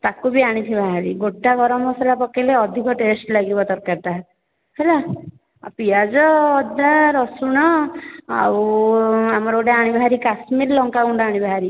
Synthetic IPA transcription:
t̪akubiaɽ̃it̪ʰibʱaɦaɾiɡoʈːaɡɔɾɔmɔsɔlapɔkeleɔd̪ʱikɔʈesʈlaɡibɔt̪ɔɾkaɾt̪a | hela | pijad͡ʒɔːd̪aɾɔsuɽ̃ɔa̰w | amɔɾowʈaaɽ̃ibaɦaɾikasmiɾlɔŋkauɳɖaɽ̃ibʱaɦaɾi

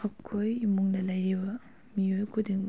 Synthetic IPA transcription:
hɐkʰːojimuŋnɐlɐjɾibɐ | miojkʰudiŋ

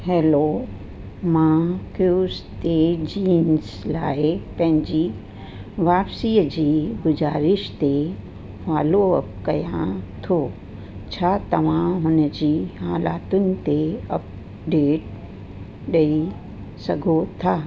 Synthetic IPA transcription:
hɛːlo | mãkjuːst̪ed͡ʑiːnzlaːepɐ̃ɦɪ̃ɲd͡ʑiː | ʋaːpsiːd͡ʑiːɡʊd͡ʑaːɾɪʃt̪e | faːloɐ̰pkɐjãt̪ʰoː | t͡ɕʰaːt̪ɐʋ̤ãɦʊnəd͡ʑiːɦaːlaːt̪ʊnɪ̆t̪eɐp̚ | ɖeːʈ | ɗɐi | sɐɡʱot̪ʰaː

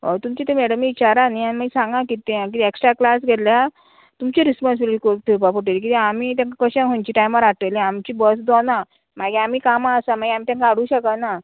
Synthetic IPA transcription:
ot̪umt͡ɕit̪emɛɽəmiit͡ɕaɾanianimaɡsãŋɡãkit̪ẽk̬it̪ːeksʈɾaklasɡʱet̪lja | t̪umt͡ɕeɾispɔnsbiliʈikoʈ̪ʰiɾpapuʈelk̬it̪iamit̪ãŋkakəɕãɦõɲt͡ɕiʈajmaɾaʈəliamt͡ɕiːbəsd̪ɔnã | maɡeamikamaəsamaɡeam̤it̪jãŋkaaɽ̤ũːɕəkana

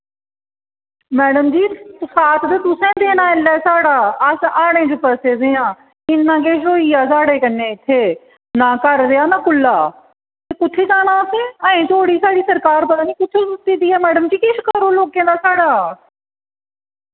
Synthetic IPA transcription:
mɛːɽəmd͡ʒiːsaːt̪ʰd̪ət̪ʊsẽːd̪eːnãːɪlːɛːsaːɽaːəsaːɽ̃ẽːd͡ʒɪpəseːd̪eːãː | ɪnːãːk̬eːʃoːiːaːsaːɽeːkənːẽːɪt̪ʰːeː | nãːkəɾd̪eːaːnãːkʊlːaː | t̪eːkʊt̪ʰːeːd͡ʒaːnãːtẽːəːẽːt̪ʰoːɽiːsaːɽiːsəɾkaːɾpət̪aːniːkʊt̪ʰːeːʊt̪ːiːd̪iːɛːmɛːɖəmd͡ʒiːkɪʃkəɾoːloːkẽːd̪aːsaːɽaː

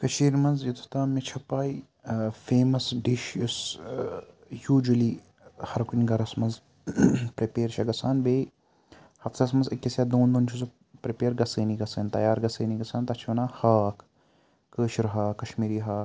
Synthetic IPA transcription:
kɐʃiːɾmɐnzjit̪ʰu̥t̪aːmet͡ʃʰɐpaːi | feːmɐsɖiʃjus | juːd͡ʒɐliː | hɐɾkʊnɡɐɾɐsmɐnz | pɾipeːɾʃɐɡɐsaːnbeː | hɐfsɐsmɐnzɐkʲːɐsjaːd̪oːnd̪oːnt͡ʃʰuzu | pɾipeːɾɡɐseːniɡɐseːnt̪ɐ̰jaːɾɡɐseːniɡɐsaːnt̪ɐt͡ʃʰʋɐnaːhaːkʰ | kəːʃɾɦaːkːɐʃmiːɾiːɦaː

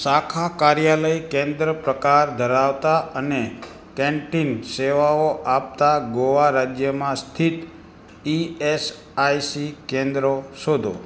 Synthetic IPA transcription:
ʃakʰakaɾjaləjkẽnd̪ɾəpɾəkaɾd̪ʱəɾaʋt̪aəne | kɛ̃ɳʈinseʋaoʔap̚t̪aɡoʋaɾad͡ʒjəmãst̪ʰit̪ | ies | ajsikẽnd̪ɾoʃod̪ʱo̰

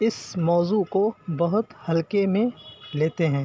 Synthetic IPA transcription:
ɪsmɔːzukobɐɦʊt̪hɐlkemẽleːt̪eɦɛ̃ː

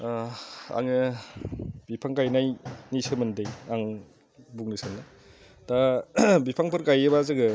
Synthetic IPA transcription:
a̰ŋnɯ | bipʰaŋkajnajnisɯmɯndejaŋ | buŋnisɯndɯ | d̥abipʰaŋpʰɯɾkajebazɯɡɯ

